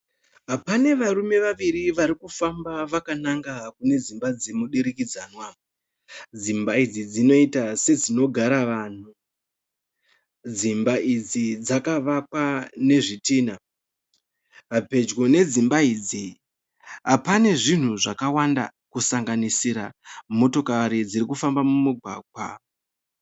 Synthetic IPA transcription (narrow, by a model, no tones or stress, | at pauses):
ɦapane̞ʋaɾume̞ʋaʋiɾiʋaɾikufambaʋakanaŋɡakune̞d͡zimbad͡zimuɗiɾikid͡zaːnwa | d͡zimbaid͡zid͡zino̞itase̞d͡zino̞ɡʱaɾaʋaːn̤u | d͡zimbaʔid͡zid͡zakaʋakwane̞ʐitiːna | ɦape̞d͡ʒɡo̞ne̞d͡zimbaiːd͡zi | ɦapane̞ʐin̤uʐakawanda̰kusaŋɡanisiɾamo̞to̞kaɾid͡ziɾikufambamumuɡʱwa̰ːɡʱwa̰